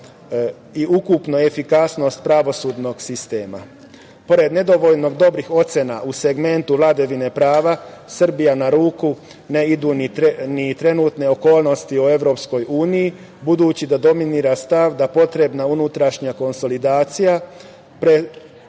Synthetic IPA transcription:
iʔukupno̞e̞fikasno̞st̪̚pɾaʋo̞suːd̪no̞ɡsist̪e̞ːma̰ | po̞ɾe̞d̪ne̞d̪o̞ʋo̞ʎno̞ɡd̪o̞bɾixo̞t̪sjenaʔuse̞ɡme̞nt̪uʋlad̪aʋine̞pɾaːʋasr̩bijanaɾuːku | ne̞id̪uːninit̪ɾe̞nuːt̪ne̞oko̞ːlˠno̞st̪ioe̞ʋɾo̞ːpsko̞juːniji | bud̪uːt͡ɕid̪ad̪o̞miniɾast̪aʋd̪apo̞t̪ɾe̞bnaunut̪ɾaʃɲako̞nso̞lid̪aːt̪sija | pɾe

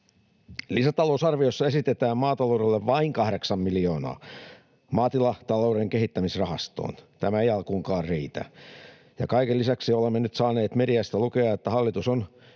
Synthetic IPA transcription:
lisæt̪ɑlousɑrʋiosːɑesit̪et̪æːmmɑːt̪ɑloːɾelːeʋʋɑiŋkɑhɾeksɑmmilijo̞ːnɑ̰ː | mɑːt̪ilɑt̪ɑloːɾeŋkehit̪ːæmisrɑhɑst̪o̰ːnt̪æmæejɑlkuːŋkɑːrriːt̪æ̰ | jɑkɑikelːisæksiolemːenyt̪sɑːneːt̪mediæst̪ælukeɑet̪ːæhɑlːit̪uson

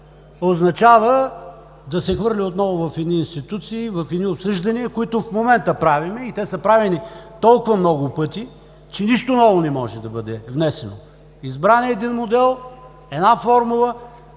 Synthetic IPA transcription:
oznɐt͡ʃavə | d̪ɐsɛxvɤɾlʲiot̪nɔvʊvɐfɛd̪niːnst̪it̪ut̪siːvɐfɛd̪niopsɤʒd̪ɐniɛkoit̪ʊfmomɛnt̪əpɾavimɛit̪ɛsəpɾavɛnit̪ɔlˠkʊvɐmnɔɡʊpɤt̪i | t͡ʃɛniʃt̪onɔvʊnɛmɔʒɛd̪ɐbɤd̪ɛvnɛsɛno̰ | izbɾanɛːd̪inmod̪ɛlˠ | ɛd̪nafɔɾmulˠə

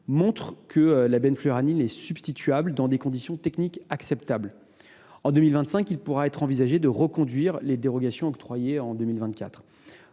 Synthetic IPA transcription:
mɔ̃t̪χkʰəlabɛnfløʁaninɛsybst̪it̪ɥabld̪ɑ̃d̪ekɔ̃d̪isjɔ̃t̪ɛknikaksɛp̚t̪abl | ɑ̃d̪ømilvɛ̃nt̪sɛ̃kilpuʁaɛt̪χɑ̃vizaʒed̪əʁəkɔ̃d̪ɥiʁled̪eʁɔɡasjɔ̃ɔk̚t̪χwajeɑ̃d̪ømilvɛ̃t̪̚kʲa̰t̪χ

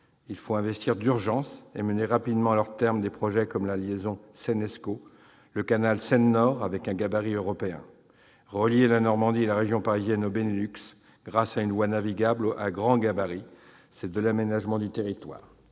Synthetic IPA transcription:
ilfoɛ̃vɛst̪ʰiʁd̪yʁʒɑ̃seməneʁapid̪mɑ̃lœʁt̪ɛʁmd̪epχɔʒɛkɔmlaljezɔ̃sɛnɛsko | ləkanalsɛnːɔʁavɛkɛ̃ɡabaʁiøʁɔpeɛ̰̃ | ʁəljelanɔʁmɑ̃d̪ielaʁeʒjɔ̃paʁizjɛnobenelyks | ɡ̥ʁasaynlwanaviɡablaɡʁɑ̃ɡabaʁi | sɛd̪əlamenaʒmɑ̃d̪yt̪eʁit̪wa̰ːʁ

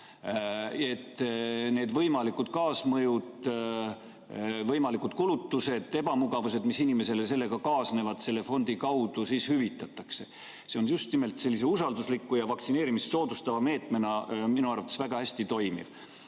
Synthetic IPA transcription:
e̞t̪ːne̞ːd̪vɤjmɑlikud̪̥kɑːsmɤjud̪ | vɤjmɑlikud̪̥kulut̪ːuse̞d̪̥e̞b̥ɑmuɡ̥ɑvuse̞d̪misinime̞se̞lese̞lːe̞ɡ̥ɑkɑːsne̞vɑd̪̥se̞lːe̞fo̞nʲd̪̥ikɑwd̪̥usiːshyvit̪ːˑɑt̪ːˑɑkse̞ | se̞o̞njust̪nime̞lt̪se̞lːiseusɑld̪uslikːujɑvɑkt̪sine̞ːɾimisso̞ːd̪ust̪ɑvɑme̞ːt̪ˑme̞nɑminuɑrvɑt̪ːe̥svæɡ̥ɑhæsʲt̪it̪o̞jmḭv̥

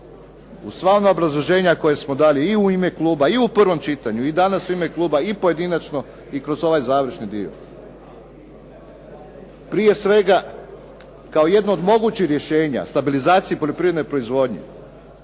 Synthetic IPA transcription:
usʋaonaobɾazlˠoʒe̞ːɲako̞jesmo̞d̪aːleiuime̞klˠuːbaiupr̩ʋo̞mt͡ʃit̪aɲuid̪anasuime̞klˠuːbaipo̞je̞d̪inat͡ʃno̞ | ikɾo̞zo̞ʋajzaːʋɾ̩ʃnid̪io̰ | pɾije̞sʋe̞ɡa | kao̞je̞d̪nood̪mo̞ɡut͡ɕixɾje̞ʃe̞ːɲa̰st̪abilizaːt̪siipo̞ʎo̞pɾiʋed̪nojpɾo̞izʋo̞d̪ɲḛ

